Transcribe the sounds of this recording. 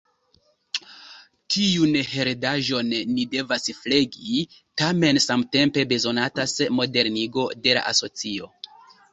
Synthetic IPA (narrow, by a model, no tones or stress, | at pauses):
tʰiunhe̞ɾdaʒo̞nːide̞vasfle̞ɡi | tame̞nsamte̞mpe̞be̞zo̞natasmo̞de̞ɾniɡo̞de̞la̰ʔa̰so̞t͡sio̞